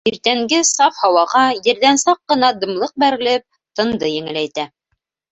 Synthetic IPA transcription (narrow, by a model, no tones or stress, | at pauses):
iɾt̪æŋɡɘsɑfhɑwɑʁɑjɘ̆ɾðænsɑqːɤ̆nɑd̪ɤ̆mlˠɤq̚bæɾɘ̆lɘp̚ | t̪ɤ̆nd̪ɤjɘ̆ŋɘ̆læjt̪æ